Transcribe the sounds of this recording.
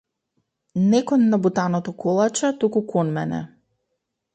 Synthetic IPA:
nɛkɔnːabut̪anɔt̪ɔkʰɔlˠat͡ʃɛt̪ukukʰɔnmɛ̰nɛ̰

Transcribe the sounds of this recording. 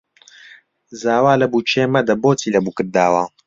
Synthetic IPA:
zaːwaːlɐbuːt͡ʃʰeːmɐd̪ɐboːtʰiːlɐbuːkɨɾd̪aːwaː

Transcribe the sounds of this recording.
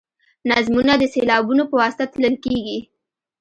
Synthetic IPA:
nazmunad̪əselɑbunopəwɑsɪ̥t̪at̪ləlkeɡi

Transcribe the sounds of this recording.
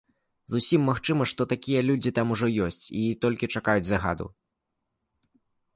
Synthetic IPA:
zusʲimːaxt͡ʂɨmɐʂt̪ɔt̪akʲijɐlʲud͡zʲit̪amuʐɔjɔsʲt͡sʲit̪ɔlʲkʲit͡ʂakajud͡zʲzaɣa̰d̪ṵ

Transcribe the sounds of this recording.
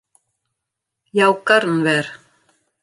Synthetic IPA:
jaːwkaɾnvɛɾ̥

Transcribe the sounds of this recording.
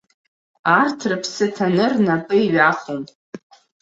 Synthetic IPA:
artʰrɨpʰsɨtʰanɨrnapʼɨiɥaχom

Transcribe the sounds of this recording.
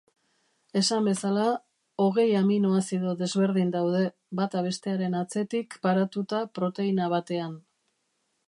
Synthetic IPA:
e̞sambe̞sala | o̞ɣ̞e̞jaminoasiðo̞ðe̞zβe̞ɾðind̪awð̞e̞ | bat̪aβ̞e̞st̪e̞aɾe̞nat͡se̞t̪ikpaɾat̪ut̪apɾo̞t̪e̞inaβ̞at̪e̞an

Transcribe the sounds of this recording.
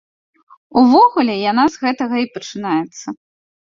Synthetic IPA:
uvɔɣulʲɛjanazɣɛt̪ɐɣɐipɐt͡ʂɨnajɛt̪sːɐ

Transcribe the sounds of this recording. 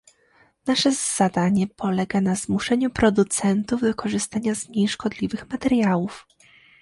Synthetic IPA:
naʂɛz̥ad̪aɲɛpɔlɛɡanazmuʂɛɲupɾɔd̪ut̪sɛnt̪uvd̪ɔkɔʐɘst̪aɲazɲejʂkɔd̪lʲivɘxmat̪ɛɾjawuf

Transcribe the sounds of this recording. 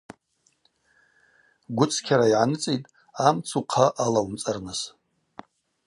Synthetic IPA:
ɡʷʊt͡sʼʰkʲʰaɾaiʕanɨt͡sʼitʼ | amt͡sʰuqʰaʔalawumt͡sʼarnɨs

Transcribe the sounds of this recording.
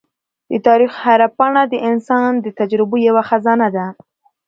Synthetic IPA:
d̪ət̪ɑɾixhaɾapɑɳad̪əʔɪnsɑnd̪ət̪ad͡ʒɾɪbojawaxazɑnad̪a

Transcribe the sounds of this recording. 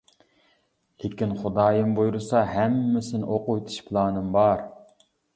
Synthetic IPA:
lekʲinχʊd̪ɑːjɨmbojuɾɨsɑɦæmːɪsɪnɪʔoqʊjt̪ʰu̥ʃpʰlˠɑːnɨmbɑɾ

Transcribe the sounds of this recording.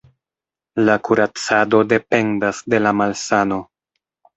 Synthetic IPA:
lakuɾat͡sado̞de̞pe̞ndasde̞lamalsano̞

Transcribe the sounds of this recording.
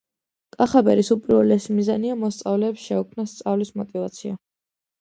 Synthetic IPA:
kʼaχabɛ̰ɾisupʼiɾvɛlɛsimizaniamɔst̪sʼavlɛːpsʃɛukʰmnast̪sʼavlismɔt̪ʼivat̪sʰia

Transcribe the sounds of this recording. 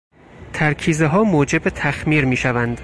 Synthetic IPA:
t̪ʰæɾkʰiːzeɦɒːmoːd͡ʒe̞bet̪ʰæxmiːɾmiːʃævænd̪̥

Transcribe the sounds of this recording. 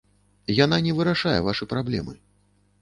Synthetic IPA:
jananʲɛvɨɾaʂajɛ̰vaʂɨpɾablʲɛ̰mɨ

